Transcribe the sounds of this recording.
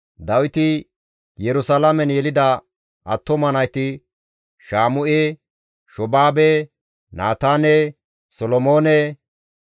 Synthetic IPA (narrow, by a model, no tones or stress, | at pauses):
d̪ɐwɪt̪ɪ | jɛɾʊsɐlamɛnjɛlɪd̪ɐ | ʔɐ̰t̪ːɔmɐnɐjt̪ɪ | ʃaːmʊʔeː | ʃɔbaːbe | naːt̪aːne | sɔlɔmoːne